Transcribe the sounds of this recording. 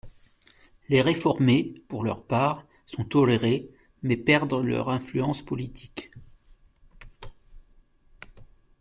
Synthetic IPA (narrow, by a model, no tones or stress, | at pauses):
leʁefɔʁmepuʁlœ̰ʁpaːʁ | sɔ̃t̪ɔleʁe | mɛpɛʁd̪ʁəlœ̰ʁɛ̃flyɑ̃spɔlit̪ʰi̥k